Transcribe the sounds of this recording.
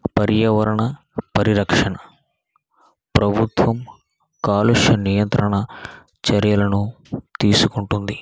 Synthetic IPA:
pɐɾjɐʋɐɾɐɳɐ | pɐɾiɾɐkʂɐɳɐ | pɾɐbʱut̪ʋɐm | kaːluʂjɐnijɐnt̪ɾɐɳɐ | t͡ʃɐɾjɐlɐnu | t̪iːsukuɳʈund̪i

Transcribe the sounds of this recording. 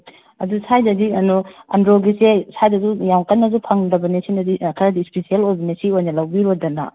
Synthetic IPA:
ɐ̰dusʰajdɐdiɐnuɐ̰ndɾoɡisesʰajdɐzujawkɐnːɐzupʰɐŋdɐbɐnesinɐdikʰɐɾɐdispisieloɾbɐnesiojnɐlɐwbiɾodɐna̰

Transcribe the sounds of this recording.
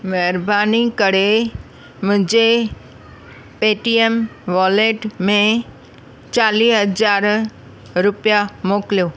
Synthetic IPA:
mɛɾbanikəɽe | mə̃d͡ʒe | peʈiemʋɔleʈmẽ | t͡ʃaliɦəd͡ʒaɾ | ɾʊpjamokljo

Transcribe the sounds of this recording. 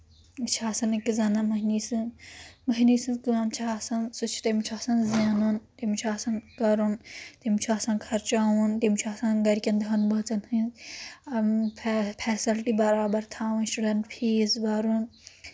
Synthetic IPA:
t͡ʃʰaːsɐnɨkizɐnɐmɐɦinisɨmɐɦiniːsɨkɨɐmt͡ʃʰaːsɐnsut͡ʃʰi̥t̪ɐmt͡ʃʰaːsɐnzjaːnunt̪emit͡ʃʰaːsɐnkɐɾunt̪emit͡ʃʰuaːsɐ̃nkʰɐɾt͡ʃaːwunt̪emit͡ʃʰaːsɐ̃nɡɐɾikʲɐnd̪ɦɐnbɐt͡sɐnhɨ̃ | pʰɛːsilʈibɐɾaːbɐɾt̪ʰaːwunsʈuɖɐɳʈpʰiːzbɐɾun

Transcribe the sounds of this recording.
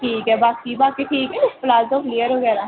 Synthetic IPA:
ʈʰiːkɛbaːkibaːkiʈʰiːkɛɪsplaːzt̪oːklijəɾoɡɛːɾaː

